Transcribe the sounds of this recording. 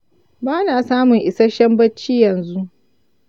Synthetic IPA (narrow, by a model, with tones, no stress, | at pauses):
baː˦naː˨saː˦mʊ˨ŋʔɪ˨sa˦ʃɐ˦mbɐ˦t͡ʃːiː˦jɐ˨nzu˦ʔ